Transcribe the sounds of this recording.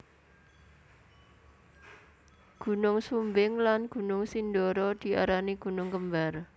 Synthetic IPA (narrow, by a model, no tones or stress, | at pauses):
ɡ̥ṳnʊŋsumbɪŋlanɡ̥ṳnʊŋsindɔɾɔd̪̥i̤a̰ɾaniɡ̥ṳnʊŋkəmbar